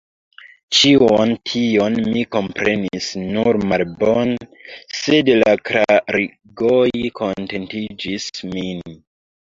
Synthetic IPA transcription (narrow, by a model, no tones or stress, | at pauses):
t͡ʃiontʰio̞nmiko̞mpɾe̞nisnuɾmalbonse̞dlakɾaɾi | ɡojkʰo̞nte̞ntid͡ʒismin